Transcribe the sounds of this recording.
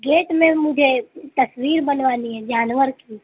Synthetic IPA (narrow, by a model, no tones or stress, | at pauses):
ɡeːʈmẽmʊd͡ʒʱet̪ɐswiːɾbɐnʋaːniɦɛd͡ʒaːnwəɾki